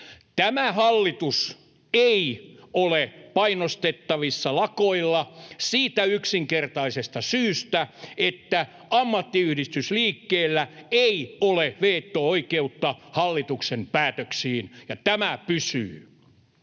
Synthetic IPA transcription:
t̪æmæhɑlːit̪us | eiolepɑinost̪et̪ːɑʋisːɑlɑkoilːɑsiːt̪æyksiŋkert̪ɑisest̪ɑsyːst̪æet̪ːæ | ɑmːɑt̪ːiyhdist̪ysliːkːeːlːæeioleʋeːt̪ːooikeut̪ːɑhɑlːit̪uksempæːt̪øksiːnjɑt̪æmæpysy̰ː

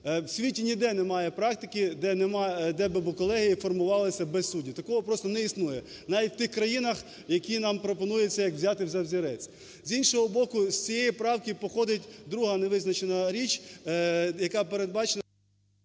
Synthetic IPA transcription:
wsʲʋʲitʲinʲid̪ɛnɛmɑjɛpɾɑkt̪ɪkʲɪd̪ɛnɛmɑd̪ɛbɪbʊkɔlˠɛɦijifɔrmʊʋɑlˠɪsʲɐbɛssudʲit̪ɐkɔɦɔpɾɔst̪ɔnɛisnujɛ | nɑʋʲitʲwʲt̪ɪxkɾɐjinɐx | jɐkʲinɑmpɾɔpɔnujʊt͡sʲːɐjɐkwzʲɑt̪ɪwzʲɐwzʲiɾɛt͡sʲ | zʲinʃɔɦɔbɔkʊsʲt͡sʲijɛjipɾɑwkʲipɔxɔd̪ɪtʲd̪ɾuɦɐneʋɪznɐt͡ʃenɐɾʲit͡ʃʲ | jɐkɑpeɾed̪̚bɑt͡ʃen

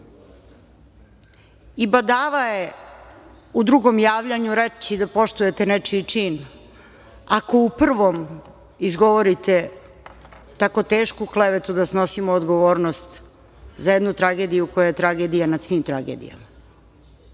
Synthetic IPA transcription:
ibad̪aːʋaje | ud̪ɾuɡo̞mjaːʋʎaɲuɾet͡ɕid̪apo̞ʃt̪uje̞t̪e̞net͡ʃit͡ʂiːn | ako̞upr̩ʋo̞m | izɡo̞ʋoɾit̪e̞ | t̪ako̞t̪e̞ːʃkukleʋet̪ud̪asno̞simoːd̪ɡo̞ʋoːɾnost̪ | zajed̪nut̪ɾaɡe̞d̪ijuko̞jajet̪ɾaɡe̞d̪ijanad̪sʋimt̪ɾaɡḛd̪ḭja̰ma

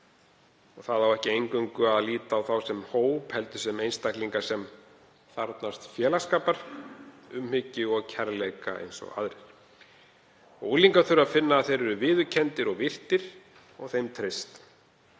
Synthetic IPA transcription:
ɔɣθaðawɛhcɪejŋkʏŋkʏaðliːt̪aːwθawsɛmhoːwphɛlt̪ʏsɛmejnst̪akliŋkḁsɛm | θaɾt̪nast̪fjɛːlaskaːpaɾ̥ | ʏmhʏcːɪɔɣcʰɛɾlejka̰ḛjnsɔ̰ɣa̰ðɾɛɾ̥ | ɔɣuːliŋkaθʏɾaðfɪnːaːðθejɾɛɾʏvɪːðʏɾcʰɛnt̪ɪɾɔɣvɪr̥t̪ɪɾ̥ | ɔɣθejmt̪ʰɾɪst̪

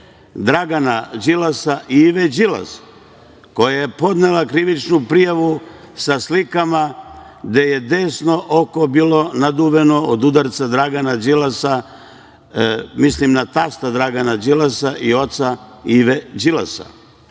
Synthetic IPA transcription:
d̪ɾaɡanad͡ʒilasaʔiiʋed͡ʒila̰s | ko̞jajepo̞d̪nelˠakɾiʋit͡ʃnupɾijaʋu | saslikama | d̪e̞je̞d̪e̞ːsno̞ʔokobiːlo̞nad̪uːʋe̞no̞od̪ud̪aɾt̪sad̪ɾaɡanad͡ʒilasa | mislimnat̪ast̪ad̪ɾaɡanad͡ʒilasaʔio̞t̪saiʋed͡ʒila̰sa̰

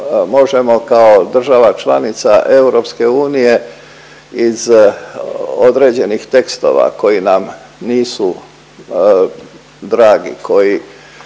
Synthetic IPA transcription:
mo̞ʒemo̞kaod̪r̩ʒaʋat͡ʃlanit̪saʔe̞uɾo̞pske̞uːnije̞ | iz | o̞d̪ɾe̞d͡ʑe̞nixt̪e̞kst̪o̞̰ʋa̰ko̞jinam | niːsu | d̪ɾaːɡikʰo̞ji

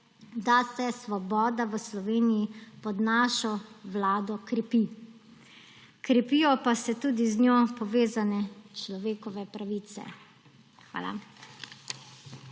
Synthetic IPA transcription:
d̪asɛsʋɔbɔːd̪aʋəslɔʋeːnijipɔd̪naʃɔʋlaːd̪ɔkɾɛpi | kɾɛpijɔpasɛt̪uːd̪iznjopɔʋeːzanɛt͡ʃlɔʋeːkɔʋɛpɾaʋiːt̪sɛ̰ | xʋa̰ːla̰

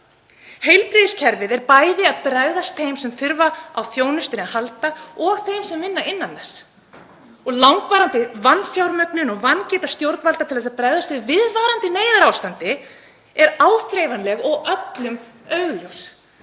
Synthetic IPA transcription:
hejlp̪ɾiðɪscʰɛɾvɪðɛɾpaːjðɪaðpɾaɣðast̪θejmsɛmθʏɾvaawθjoːwnʏst̪ɪnɪahalt̪aɔθejmsɛmvɪnːaɪnːanθɛs | ɔɣlawŋkvaːɾant̪ɪvanːfjawɾmœknʏnɔɣvancɛːt̪ast̪jowɾt̪nvalt̪at̪ʰɪlθɛsaðpɾaɣðast̪vɪðvɪðvaːɾant̪ɪneːjɾaɾawst̪ant̪ɪ | ɛɾaːwθɾejvanlɛɣɔɣœt̪lʏm | œɥɣlʏws

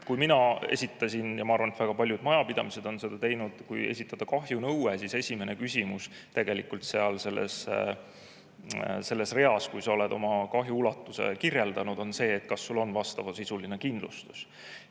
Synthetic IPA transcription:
kujminɑḛsʲit̪ːˑɑsʲinjɑmɑɑɾrvɑnet̪væɡ̥ɑpɑlʲjud̪̥mɑjɑpid̪ɑmise̞d̪̥o̞nse̞d̪̥ɑt̪e̞jnud̪̥kuje̞̰sit̪ːˑɑd̪̥ɑkɑɦjunɤwwesise̞sʲime̞ne̞kysʲimus | t̪e̞ɡ̥e̞likult̪se̞ɑlse̞lːḛs | se̞lːe̞sre̞ɑskujsɑo̞le̞d̪o̞mɑkɑɦjuulɑt̪ːˑuse̞̰kirje̞ld̪ɑnud̪̥o̞nse̞ːt̪̚kɑsːulːo̞nvɑst̪ɑvɑsisuline̞kind̪̥lṵst̪u̥s

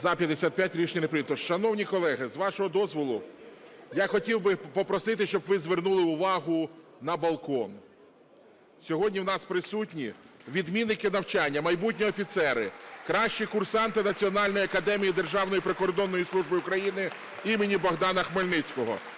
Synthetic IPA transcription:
zɐpʲjɐd̪esʲat̪pʲjatʲɾʲit͡ʃnʲinepɾɪit̪ɔʃɐnɔwnʲikɔlˠɛɦɪzʋɑʃɔɦɔd̪ɔzʋɔlˠʊ | jaxɔtʲiwbɪpɔpɾɔsɪt̪ɪʃt͡ʃɔbʋɪzʋernulˠɪʊʋɑɦʊnɐbɐlˠkɔn | sʲɔɦɔdʲnʲiwnɑspɾɪsutʲnʲi | ʋʲid̪mʲinːɪkɪnɐwt͡ʃɑnʲːɐmɐjbutʲnʲiɔfʲit̪sɛɾɪkɾɑʃt͡ʃikʊrsɑnt̪ɪnɐt͡sʲiɔnɑlʲnɔjɐkɐd̪ɛmʲijid̪erʒɑwnɔjipɾɪkɔrd̪ɔnːɔjislˠuʒbɪʊkɾɐjinɪ | imenʲibɔɣd̪ɑnɐxmɔlʲnɪt͡sʲkɔɦɔ̰

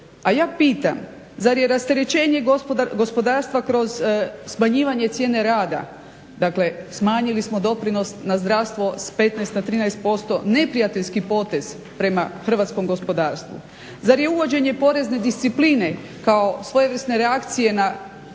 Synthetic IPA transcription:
ajaːpiːt̪a̰m | zaɾje̞ɾast̪eɾet͡ɕe̞ːɲe̞ɡo̞spo̞d̪aːɾst̪ʋakɾo̞zsmaɲiːʋaɲe̞t̪sʲje̞ːne̞ɾaːd̪a̰ | d̪akle̞smaːɲilismo̞d̪o̞pɾino̞snazd̪ɾaʋst̪ʋo̞spe̞t̪najst̪nat̪ɾiːnajst̪̚po̞st̪o̞ne̞pɾijat̪eʎʲskipo̞t̪e̞z | pɾe̞maxr̩ʋat̪sko̞mɡo̞spo̞d̪aːɾst̪ʋṵ | zaɾje̞uʋo̞d͡ʑe̞ɲe̞po̞ɾe̞zne̞d̪ist̪sipline̞ | kao̞sʋo̞jeʋɾ̩sne̞ɾeakt̪sije̞na

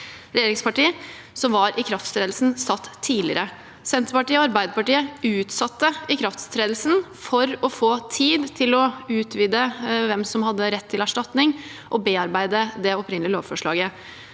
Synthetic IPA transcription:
ɾɛjeːɾɪŋspɑʈiː | sɔmʋɑɾʔɪkʰɾɑft̪st̪ɾeːd̪l̩sn̩sɑt̪ʰːiːlɪ̰əɾə | sɛnt̪ɾəpɑʈiːəɔɑɾbæɪd̪əɾpɑʈiːəʉːt̪sɑt̪ːəɪkʰɾɑft̪st̪ʰɾeːd̪lsn | fɔɾɔfoːt̪ʰiːd̪t̪ʰɪlɔʉːt̪ʰʋiːd̪əʋɛmsɔmhɑd̪ːəɾɛt̪ʰːɪlæʂʈɑt̪nɪŋ | ʔɔbeːɑɾbæɪd̪əd̪ɛɔpɾɪnlɪəlo̰ːʋfɔʂɭɑ̰ːɡə

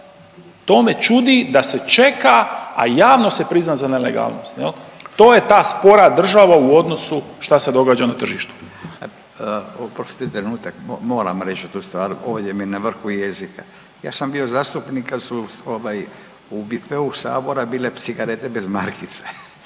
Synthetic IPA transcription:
t̪o̞ːme̞t͡ʃud̪id̪ase̞t͡ʃe̞kaa̰jaːʋno̞se̞pɾiznazanelḛɡa̰ːlˠno̞̰st̪jelt̪o̞ːje̞t̪aːspo̞ɾad̪r̩ʒaʋauo̞d̪no̞suʃt̪ase̞d̪o̞ɡaːd͡ʒanat̪r̩ʒiːʃt̪u̥ | opɾost̪it̪ɾenuːt̪akmo̞ːɾa̰mɾet͡ʃut̪uːst̪ʋaːɾoːʋd̪eminaʋr̩xujezikʰa | ja̰ːsambio̞zaːst̪upnikasuoʋaj | ubifeusa̰ːbo̞ɾabiːle̞t̪siɡaɾet̪ebezmaɾkit̪se

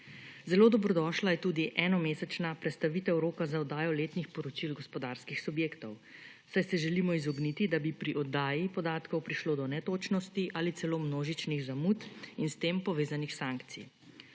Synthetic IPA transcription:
zɛloːd̪ɔbɾɔd̪ɔʃlajɛt̪uːd̪iʔɛːnɔmeːsɛt͡ʃnapɾɛt̪st̪aʋit̪ɛwɾoːkazaɔd̪aːjɔleːt̪nixpɔɾɔt͡ʃilɡɔspɔd̪aɾskixsubjeːkt̪ɔw | sajsɛʒɛlimɔizɔɡnit̪id̪abipɾiʔɔd̪aːjipɔd̪aːt̪kɔwpɾiʃloːd̪ɔnɛt̪oːt͡ʃnɔst̪iʔalit̪sɛloːmnoːʒit͡ʃniɣzamut̪inst̪eːmpɔʋeːzanixsaŋkt̪sḭ

